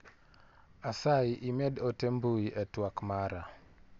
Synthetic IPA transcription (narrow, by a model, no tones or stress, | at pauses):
asaiʔimɛdotembuiʔɛtwakmaɾa